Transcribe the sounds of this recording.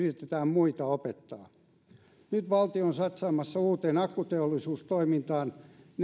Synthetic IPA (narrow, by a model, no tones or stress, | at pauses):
rit̪et̪æːmmuit̪ɑopet̪ːɑː | nyt̪ʋɑlt̪ionsɑt̪sɑːmɑsːɑuːt̪eːnɑkːut̪eolːisuːst̪oimint̪ɑːnn